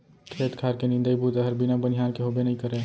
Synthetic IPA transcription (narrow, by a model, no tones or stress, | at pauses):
kʰeːt̪kʰaɾkenɪ̃nd̪əibʱut̪əɦəɾbinabənijaːnkeɦobenəɦĩkəɾe